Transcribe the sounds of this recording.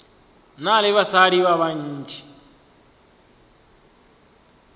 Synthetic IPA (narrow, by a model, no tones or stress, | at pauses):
nalɪβasaɺiβaβaɲ̩ːd͡ʒʰi